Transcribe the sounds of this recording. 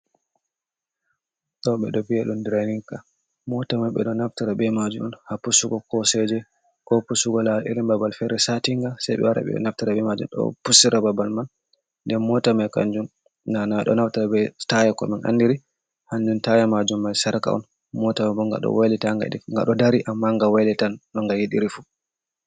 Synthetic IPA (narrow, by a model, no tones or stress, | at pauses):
ɗɔɓɛɗɔbiaɗundɾaniŋka | mɔtamajɓɛ̰ɗɔnaftaɾabɛmad͡ʒuɔnhapusuɡɔkɔsɛd͡ʒɛ | kɔpusuɡɔlaʔiɾimbabalfɛɾɛsatiŋɡasajɓɛ̰waɾa̰ɓɛ̰ɔ̰naftaɾabɛmad͡ʒṵmɗɔ̰pusiɾababalman | dɛmɔtamajka̰ɲd͡ʒun | nanaɗɔ̰naftaɾabɛtajakɔ̰minʔa̰nːdiɾi | haɲd͡ʒuntajamad͡ʒumːajsaɾka̰ɔ̰n | mɔtamabɔŋɡa̰ɗɔ̰wajlitaŋɡa̰ɗŋɡa̰ɗɔdaɾiʔamːaŋɡawajlitanɗɔŋɡajiɗiɾifu